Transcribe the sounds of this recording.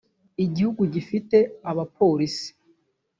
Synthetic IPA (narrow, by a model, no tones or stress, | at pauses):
iɟihuɡuɟifite̞aβapʰo̞ːɾisi̥